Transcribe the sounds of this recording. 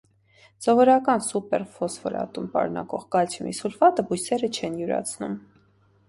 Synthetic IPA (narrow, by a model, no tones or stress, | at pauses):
sɔvɔɾɑkɑnsupɛɾfɔsvɔɾɑ̰t̪umpɑ̰ɾunɑ̰kɔʁkɑlt͡sʰumḭsulfɑt̪əbujsɛɾət͡ʃʰɛnjuɾɑ̰t͡sʰnum